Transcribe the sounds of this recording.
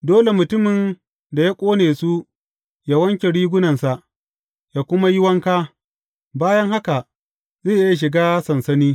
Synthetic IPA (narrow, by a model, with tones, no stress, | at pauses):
doː˦le˨mʊ˨tʊ˦mɪ˨n | da˨ja˦kʷʼoː˦neː˨su˦ | ja˦wɐ˦ŋkʲe˨ɽiː˦ɡʷʊ˦nɐ˨nsa˨ʔ | jaː˦kʷʊ˦ma˦jɪ˦wɐ˦ŋkaː˦ | baː˦jɐ˦ŋha˦ka˨ʔ | zeː˦˨ʔɪ˦ja˨ʃ̬ɪ˨ɡaː˦sɐ˨nsɐ˦niː˦